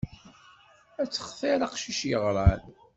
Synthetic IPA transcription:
æt͡sːə̥χθeɾɑqʃiʃjəʁɾˤɑl

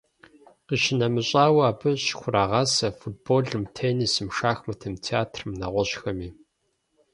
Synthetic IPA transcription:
qiʃɪnɐmɨɕʼaːwɐaːbɨɕxʷʊraːʁɑːsɐfut̚boːɮɨmtʰeːnisɨmʂaːxmɐtʰɐmtʰiaːtʰrɨmnɐʁʷɔɕxɐmiː

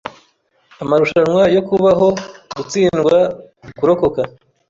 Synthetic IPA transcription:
amaɾuʃanŋwajo̞kuβaɦo̞ɡut͡siːnɡwa | kuɾo̞ko̞ka

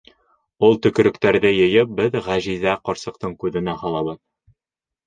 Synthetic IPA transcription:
ulˠt̪ɵ̆kɵ̆ɾɘ̆kt̪æɾðɘjɘ̆jɘp̚bɘðʁæʑizæqɒɾsɤ̆q̚t̪ɤɴkʉðɘ̆næhɒlˠɑβɤð

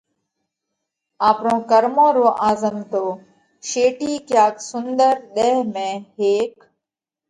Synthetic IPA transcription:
aːpɳõːkəɾmõːɾoːʔaːzəmt̪oː | ʃeːʈiːkjaːksʊnd̪əɾɗ̪eɛːɦmẽːɦeːk

